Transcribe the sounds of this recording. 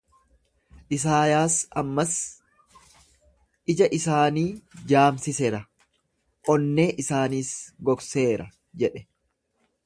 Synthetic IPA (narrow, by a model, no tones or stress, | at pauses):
ʔɪs̬aːjaːsɐmːɐs | ʔɪd͡ʒɐʔɪsaːniːd͡ʒaːmsɪseɾɐ | ʔɔnːe̞ːʔɪsaːniːsɡɔkse̞ːɾɐ | d͡ʒɛᶑɛ̥